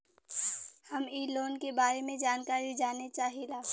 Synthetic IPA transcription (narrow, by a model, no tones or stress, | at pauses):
hɐmiːloːnkebaːɾemẽd͡ʒaːnkaːɾid͡ʒaːnet͡ʃaːɦilaː